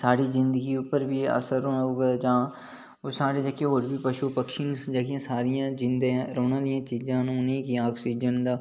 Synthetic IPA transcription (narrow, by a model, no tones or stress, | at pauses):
saːɽiːzɪnd̪əɡiːʊpəɾʋiːə̰səɾoːnɡeːd͡ʒãː | osaːɽeːd͡ʒəkeːɦoːɾbiːpəʃuːpəkʃɪnd͡ʒəɡãːsaːɾɪjãːd͡ʒɪnd̪ɾoːnaːlɪjãːt͡ʃiːzãːnũːnẽːkiaːksiːd͡ʒənd̪aː